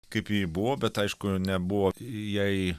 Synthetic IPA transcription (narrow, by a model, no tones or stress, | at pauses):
kɐɪpjibʊʋoːbʲɛt̪ɐɪʃkʊnʲɛbʊʋoːjɛɪ